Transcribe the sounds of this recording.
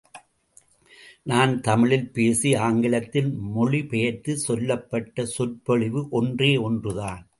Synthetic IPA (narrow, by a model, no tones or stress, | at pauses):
naːnt̪ɐmɪɭɪlpeːsiaːŋɡɪɭɐt̪ːɪlmɔɭipɛjɐt̪ɯsɔlːɐpːɐʈːɐsʊɾpɔɻɪʋɯʔɔndreːɔndrɯðaːn